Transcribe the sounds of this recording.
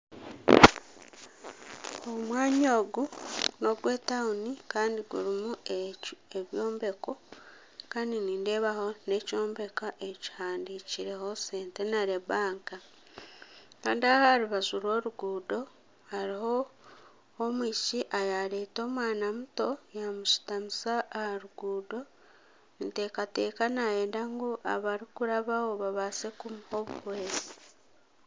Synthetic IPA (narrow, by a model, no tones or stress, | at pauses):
omwaːɲoːɡuno̞ɡwe̞ːtaunikaːndiɡṵɾimu | eβjo̞ːmbe̞ko | kaːndiniːnde̞βaho̞ne̞co̞ːmbe̞kaʔeci̥haːndiciɾe̞ho̞se̞ːnte̞naɾe̞βaːŋka | kaːndiahaɾiβazuɾo̞ːɾuɡuːdo̞ | haɾiho̞ː | mwiːʃiʔajaɾe̞ːto̞ːmwaːnamuto̞jamuʃi̥tamisaʔːhaɾuɡuːdo̞ | nte̞ːkate̞ːkanajeːndaŋɡuʔaβaɾikuɾaβaoβaβase̞kumho̞βṵhweːzi